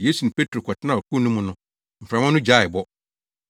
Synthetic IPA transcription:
je˦su˨ʊ̃˨pʰe˦tʰɾo˨kʰɔ˨tʰɪ˦nã˨ɔ˨kʰu˦˨nũ˦mʊ̃˨nʊ̃˦ | m̩˨fɾa˨mã˦nʊ̃˦d͡ʑa˦˨ɪ˨bɔ˦

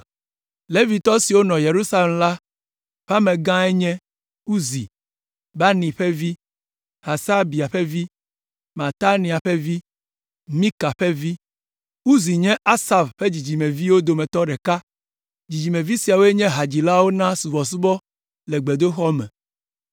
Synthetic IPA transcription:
le˦vi˨t̪ɔ˦si˨wo˦nɔ̃˨je˨ɾu˦sa˦le˨mla˦ | ɸa˦mɛ̃˨ɡã˦ɛ˦ɲɛ̃˦ | u˦zi˨ | ba˦nĩ˨ɸɛ˦vi˦ | ha˨sa˦bi˨a˨ɸɛ˦vi˦ | mã˨t̪a˦nĩ˨a˨ɸɛ˦vi˦ | mĩ˦ka˨ɸɛ˦vi˦ | u˦zi˨ɲɛ̃˦ʔa˦sa˨vɸe˦d͡ʑi˨d͡ʑi˨mɛ̃˨vi˦wo˦d̪o˨mɛ˨t̪ɔ˦ɖɛ˨ka˦ | d͡ʑi˨d͡ʑi˨mẽ˨vi˦si˨a˨wo˦ɛ˦ɲɛ̃˦ɦa˨d͡ʑi˨la˦wo˦nã˦su˨vɔ˨su˦bɔ˦ | lɛ˨ɡ͡be˨d̪o˦xɔ˦mɛ̰̃˨

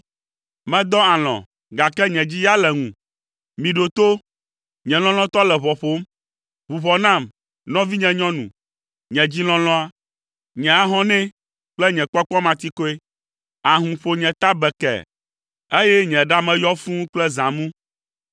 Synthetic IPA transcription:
mɛ̃˨d̪ɔ˦a˨l̃ɔ̰̃˨ | ɡa˨kɛ˦ɲɛ̃˨d͡ʑi˦ja˦lɛ˨ŋṵ̃˨ | mĩ˨ɖo˨t̪o˦ | ɲɛ̃˨l̃ɔ̃˦l̃ɔ̃˦t̪ɔ˦lɛ˨βɔ˨ɸo˦m | βu˨ɸɔ˨nã˦˨m | nɔ̃˦vi˦ɲɛ̃˨ɲɔ̃˦nṵ̃˨ | ɲɛ̃˨d͡ʑi˦l̃ɔ̃˦lɔ̃˦a˦ | ɲɛ̃˨a˦ɦɔ̃˦nɛ̃˦ | k͡plɛ˦ɲɛ̃˨k͡pɔ˦k͡pɔ̃˦mã˨t̪i˦ko˦e˦ | a˨ɦũ˨ɸo˨ɲɛ̃˨t̪a˦bɛ˨kɛ̰˨ | e˦jɛ˦ɲɛ̃˨ɖa˦mɛ̃˨jɔ˦fũ˦k͡plɛ˦zã˨mũ˦

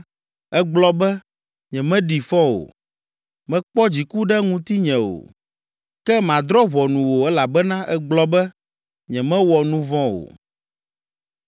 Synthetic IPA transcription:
ɛ˦ɡ͡blɔ˦bɛ˦ | ɲɛ̃˨mɛ̃˦ɖi˨fɔ̃˦wo̰˨ | mɛ̃˦k͡pɔ˦d͡ʑi˨ku˦ɖɛ˦ŋũ˦t̪i˦ɲɛ̃˨wo̰˨ | kɛ˦mã˨d̪ɾɔ˦βɔ˨nũ˨wo˨ɛ˦la˨bɛ˦nã˦ʔɛ˦ɡ͡blɔ˦bɛ˦ | ɲɛ̃˨mɛ̃˦wɔ˨nũ˦vɔ̃˦wo̰˨

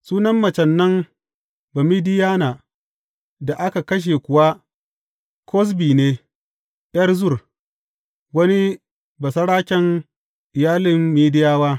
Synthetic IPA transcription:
suː˦nɐ˦mːɐ˨t͡ʃɐ˨nːɐ˦ŋ | bɐ˨mi˦dɪ˦jaː˦naː˨ | da˨ʔa˦ka˨kɐ˦ʃ̬e˨kʷʊ˨wa˦ | kʰɔ˦s̬biː˨neː˦ | jɐ˦rzʊ˦˨r | wɐ˦ni˦ | bɐ˨sɐ˦ɽaː˦kʲɛ˦ŋ | ʔɪ˨jaː˦lɪ˨mːiː˦dɪ˦jaː˦waː˦

